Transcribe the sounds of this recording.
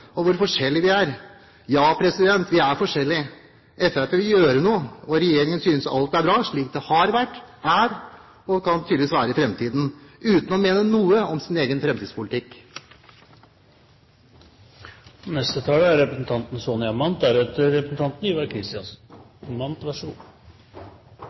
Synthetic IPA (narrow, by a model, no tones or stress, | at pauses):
ɔʋʊɾfɔʂɛlːɪʋɪæɾ | jɑːpʰɾɛsɪd̪ɛnt̪ʰʋɪæɾfɔʂɛlːɪ | ɛfæpeːʋɪljøːɾənuːəɔɾɛjeːɾɪŋənsyːnəsɑ̰lt̪̚æɾbɾɑːʂɭiːk̚d̪ɛhɑɾʋæʈːæɾ | ɔkʰɑnt̪ʰyːd̪ʋiːsʋæːɾəɪfɾɛmt̪ʰiːd̪n̩ʉːt̪n̩ɔmeːnənuːəɔmsɪneːɡənfɾɛmt̪iːspʊlɪt̪ɪkː | nɛst̪ət̪ʰɑːləæɾɾɛpɾəsn̩t̪ʰɑnt̪n̩sonɪɑmɑnt̪æɾɛt̪ɾɛpɾəsn̩t̪ʰɑnt̪n̩yːʋæɾkʰɾɪst̪ɪɑns | mɑnt̪ʋɑʂɡuː